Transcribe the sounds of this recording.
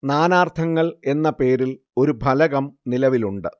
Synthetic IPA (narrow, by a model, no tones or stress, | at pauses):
naːnaːrt̪ʰɐŋːɐɭe̞nːɐpe̞ːɾil | o̞ɾubʱɐlɐɣɐmnilɐʋiluɳɖɨ